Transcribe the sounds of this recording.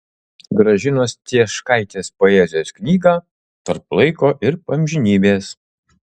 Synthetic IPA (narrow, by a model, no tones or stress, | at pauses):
ɡɾɐʒʲɪnoːst̪ʲiɛʃkɐɪt̪ʲeːspoːɛzʲɪjoːsknʲiːɡɑː | t̪ɐɾplˠɐɪkoːʔɪɾpɐmʲʒʲɪnʲiːbʲeːs